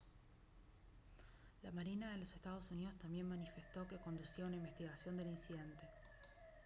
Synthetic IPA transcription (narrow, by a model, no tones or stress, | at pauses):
lamaɾinaðelo̞se̞st̪að̞o̞sunið̞o̞st̪ambje̞nmanife̞st̪o̞ke̞ko̞nd̪usiaunaimbe̞st̪iɣasjo̞nd̪e̞linsiðe̞nt̪e̞